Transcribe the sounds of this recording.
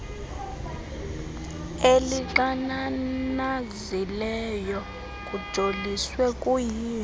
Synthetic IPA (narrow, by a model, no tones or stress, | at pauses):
eliǃananazilɛjɔ | kʼud̥ʱoliswɛkʼujiːn